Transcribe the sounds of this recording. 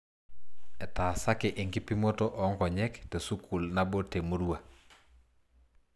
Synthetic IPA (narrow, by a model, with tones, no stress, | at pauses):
ɛ˨taː˨sa˦kɛʔi˨ŋki˦pi˦mo˦tɔ˦ʔɔ˨˦ŋkɔ˨ɲɛ˦kte˨su˦kʰu˨lna˦bo˦te˨mu˦ɾu˦wa˨